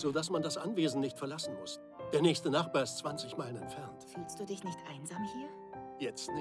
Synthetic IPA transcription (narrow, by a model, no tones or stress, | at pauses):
z̥oːdasmandasʔa̰nveːzn̩nɪçtfɛɐlasn̩mʊs | d̥eːɐnɛːçstənaχt̚b̥aːɐɪstt͡sv̥ant͡sɪçmaɪlənɛntfɛɐntfyːlstd̥uːdɪçnɪçtʔaɪnzaːmhiːɐ | jɛt͡stnɪ